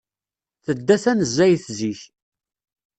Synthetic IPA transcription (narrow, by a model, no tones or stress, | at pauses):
θəd̪ːæθænəzːæjθziç